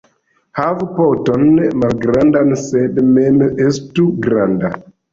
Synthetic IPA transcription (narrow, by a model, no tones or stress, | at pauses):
havupotonmalɡɾandansedmemestuɡɾanda